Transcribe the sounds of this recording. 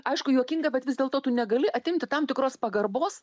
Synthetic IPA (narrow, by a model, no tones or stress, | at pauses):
ɐɪʃkʊjuɔkʲɪŋɡɐbʲɛt̪ʋʲɪzd̪ʲeːlˠt̪oːt̪ʊnʲɛɡɐlʲɪʔɐt̪ʲɪmʲt̪ʲɪt̪ɐmt̪ʲɪkɾoːspɐɡɐrboːs